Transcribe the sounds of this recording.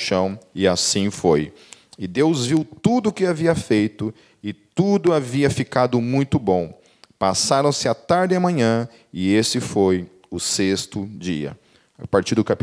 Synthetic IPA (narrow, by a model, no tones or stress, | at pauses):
ʃɐ̃w̃ɪasĩfoj | ɪd̪ewzviwt̪ud̪ʊːkɪaviɐfejt̪ʊ | ɪt̪ud̪ʊaviɐfikad̪ʊmũj̃t̪ʊbõw̃ | pasaɾɐ̃w̃sɪat̪aɾd͡ʒ̪ɪamɐ̃ɲɐ̃ | ɪesɪfoj | ʊsest̪ʊd͡ʒiɐ̰ | paɾt͡ʃiɾd̪ʊkap